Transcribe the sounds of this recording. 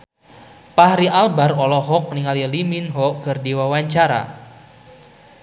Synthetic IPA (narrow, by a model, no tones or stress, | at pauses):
paɦɾiʔalbarɔlɔɦɔk̚niŋaliliminɦɔkərdiwawaɲt͡ʃaɾa̰